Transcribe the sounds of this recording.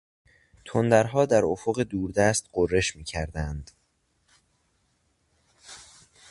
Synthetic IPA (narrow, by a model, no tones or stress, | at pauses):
t̪ʰond̪æɾɦɒːd̪æɾofoɣe̞d̪uːɾd̪æst̪ɢorːe̞ʃmiːcʰæɾd̪ænd̪̥